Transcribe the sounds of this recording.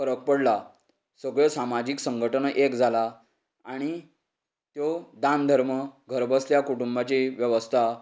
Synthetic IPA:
əɾək̚pəɽla | səɡɭəsamad͡ʑiksəŋɡʱəʈəɳʔekd͡zʱala | aɽ̃i | t̪jɔd̪ãnd̪ʱəɾməɡʱəɾbəsljakuʈumbat͡ɕiʋjəʋəst̪ʰa

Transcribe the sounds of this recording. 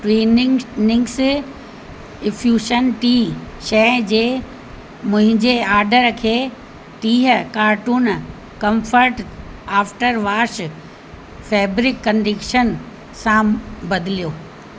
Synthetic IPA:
ʈɾeːnɪnɪ̃ŋɡs | ɪfʰjuːʃənʈiːʃɛd͡ʑeː | mʊ̃ɦɪ̃ɲd͡ʑeaːɾɖəɾkʰeː | ʈiːɦəkaːɾʈuːn | kɐ̃mfəɾʈaːfʈəɾʋaːʃ | fɛːbɾɪkːɐ̃ɳɖɪkʃən | sãbɐd̪ʱɪlijoː

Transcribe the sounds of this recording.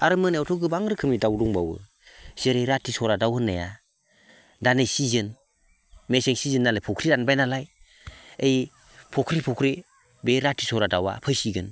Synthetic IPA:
aɾɯmɯnewtʰɔɡɯbaŋɾɯkʰɯmidawduŋbawɯ̰ | z̥eɾejɾatʰisɔɾadawɯnːaja | danejsizɯn | meseŋsizɯnːalajpʰɔkʰɾidanbajnalaj | ej | pʰɔkʰɾipʰɔkʰɾi | beɾatʰisɔɾadawa̰pʰɯjsiɡɯn

